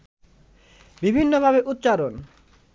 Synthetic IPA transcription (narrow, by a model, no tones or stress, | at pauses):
bibʱinːobʱabeʔut̪ːɕaɾon